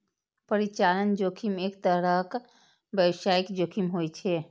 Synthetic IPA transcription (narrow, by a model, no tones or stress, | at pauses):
pəɾit͡ʃalənd͡ʒokʰimekt̪əɾək | bjəbsajikd͡ʒokʰimɦojt͡ʃʰɛ